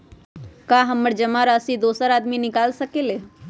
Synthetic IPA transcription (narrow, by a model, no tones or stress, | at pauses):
kaɦəməɾd͡ʒəmaɾasid̪oːsəɾaːd̪minɪkaːlsəkeːle